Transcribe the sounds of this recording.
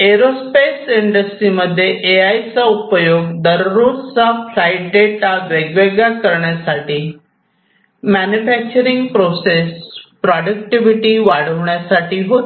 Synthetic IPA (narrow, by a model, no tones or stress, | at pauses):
eɾospesɪɳɖəsʈɾiməd̪ʱːjeʔeaisãupəjoːɡd̪əɾɾoɽsapʰɾaiʈ̚ɖeʈaʋeɡʋeɡakəɾɳjasaʈi | mɛnufɛk̚t͡ʃəɾiŋɡ̚pɾosespɾaɖəkʈiʋiʈiʋaɽ̤əʋɳjasaʈiɦot̪